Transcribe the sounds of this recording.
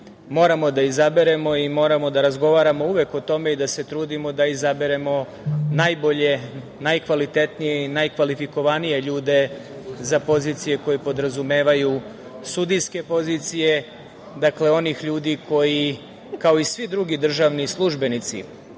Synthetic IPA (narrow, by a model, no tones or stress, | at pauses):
mo̞ːɾamo̞d̪aizabe̞ɾe̞mo̞imo̞ːɾamo̞d̪aɾazɡo̞ʋaːɾamouʋe̞kot̪o̞me̞id̪ase̞t̪ɾuːd̪imo̞d̪aizabeɾe̞mo̞ | najbo̞ʎe̞ | najkʋalit̪e̞t̪nije̞inajkʋalifiko̞ʋanije̞ʎuːd̪e̞ | zapo̞ziːt̪sije̞ko̞jepo̞d̪ɾazumeːʋaju | sud̪iske̞po̞ziːt̪sije̞ | d̪akle̞o̞nixʎuːd̪ikʰo̞ji | kao̞isʋid̪ɾuɡid̪r̩ʒaːʋnislˠuʒbe̞nit̪sḭ